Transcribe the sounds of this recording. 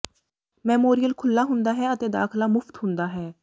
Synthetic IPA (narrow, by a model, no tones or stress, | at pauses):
mɛ̃ːmoːɾijəlkʰʊlːaːɦʊ̃nd̪aːɦɛːət̪eːd̪a̰ːkʰlaːmʊft̪ɦʊ̃nd̪aːɦɛː